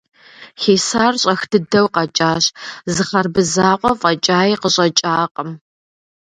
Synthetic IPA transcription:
xeːsaːrɕʼɐxdɨdɐwqɐt͡ʃʼaːɕzɨχɐrbɨzaːqʷʼɔfʼɐt͡ʃʼaːjiqəɕʼɐt͡ʃʼaːqʼəm

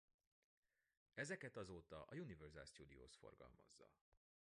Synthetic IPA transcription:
ɛzɛkɛt̪ɒzoːt̪ɒʔɒjunivɛrza̰lst̪ud̪ioːsfo̞̰rɡɒ̰lmɒ̰zːɒ̰

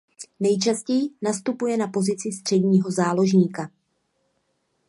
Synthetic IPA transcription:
nɛjt͡ʃascɛjɪnast̪upujɛnapo̞zɪt͡sɪst̪r̝̥ɛdɲiːɦo̞zaːlo̞ʒɲiːka

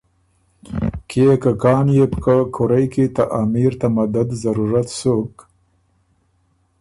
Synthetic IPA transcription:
kʰekakɑːnjepkakʰoɾajkit̪aʔaːmiɾt̪amad̪ad̪zaɾuɾat̪sok

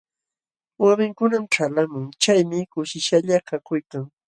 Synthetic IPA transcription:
wamɪŋkʊnamʈ͡ʂalamʊŋt͡ʃajmɪkʊʃɪʃaʎakakʊjkaŋ

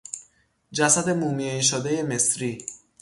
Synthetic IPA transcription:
d͡ʒæsæd̪e̞mumieiʃod̪eje̞mesɾiː

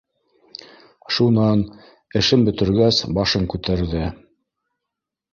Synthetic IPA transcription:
ʃunɑn | ɘ̆ʃɘmbɵ̆t̪ɘ̆ɾɡæsbɑʃɤŋkʉt̪æɾðɘ

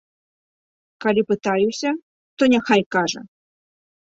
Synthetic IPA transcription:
kalʲipɨt̪ajusʲɐ | t̪ɔnʲɛxajkaʐɐ̰

